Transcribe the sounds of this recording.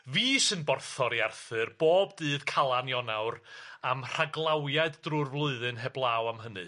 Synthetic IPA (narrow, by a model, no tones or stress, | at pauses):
viːsɨnbɔrθɔɾiarθɨrb̥oːbdɨːðkʰalˠanjɔnawɾamr̥aɡlˠawjaɨddrʊrvlˠʊɨðɨnɦɛblˠaːwamɦənɨ̰